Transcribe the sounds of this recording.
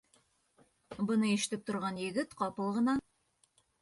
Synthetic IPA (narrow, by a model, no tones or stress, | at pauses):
bɤ̆nɤiʃɘ̥̆t̪ɘp̚t̪ŏɾʁɑnjɘ̆ɡɘt̪qɑpɤlˠʁɤ̆nɑ